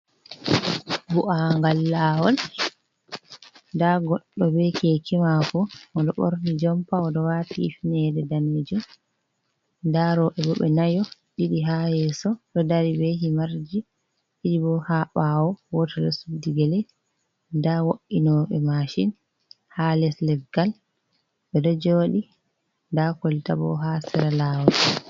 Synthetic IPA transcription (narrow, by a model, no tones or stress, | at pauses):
buʔaŋɡalːawɔl | ndaɡɔɗːɔbɛkɛkimafɔɔɗɔɓo̰ɾnid͡ʒɔmpaɔɗɔwatḭːfinɛdɛdanːid͡ʒum | ndaɾɔʔɛbɔɓɛ̰najɔɗiɗiɦahɛsɔɗɔdaɾibeɦimaɾd͡ʒi | ɗiɗibɔhaɓawɔwotɛɗɔ̰sudːiɡɛlɛ | ndawoʔːinɔɓɛmaʃin | halɛslɛfɡal | bɛɗɔd͡ʒoːɗi | ndakoltabɔ̰ɦasɛɾalawɔ